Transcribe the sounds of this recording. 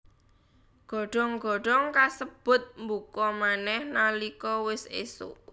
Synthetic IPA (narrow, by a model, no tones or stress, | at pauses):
ɡ̥ɔ̤ɖ̥ɔ̤ŋɡ̥ɔ̤ɖ̥ɔŋkasəb̥ʊ̤t̪̚mbukɔmanɛhnalikɔwɪsesʊ̰ʔ